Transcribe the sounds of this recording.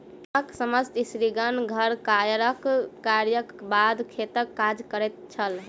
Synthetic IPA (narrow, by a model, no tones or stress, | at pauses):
əksəməst̪isɾiɡənɡʱəɾkajəɾəkːaɾjəkbad̪kʰet̪əkːad͡ʒkəɾɛt̪t͡ʃʰəl